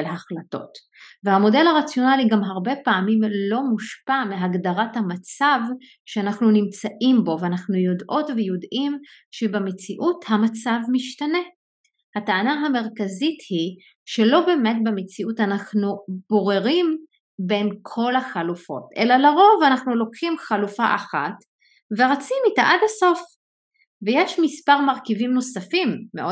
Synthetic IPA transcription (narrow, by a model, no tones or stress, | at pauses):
lɦaχlato̞̰t | vehamo̞de̞laʁat͡sjo̞naliɡamɦaʁbe̞paːmimlo̞muʃpameɦaɡdaʁathamat͡sav | ʃeanaχnunimt͡saʔimbo̞veanaχnujo̞dʔo̞tvejodʔimʃebemet͡siʔuthamat͡savmiʃtane̞ | hataanaɦame̞ʁkazithi | ʃe̞lo̞be̞ːme̞t̚bemet͡siʔutanaχnub̥o̞ʁeʁim | be̞nkʰo̞laχalufo̞̰tʔḛlalaʁo̞vanaχnulo̞kχimχalufaʔaχat | veʁat͡simitaʔadhaso̞f | vejeʃmispaʁmaʁkivimno̞safimːeo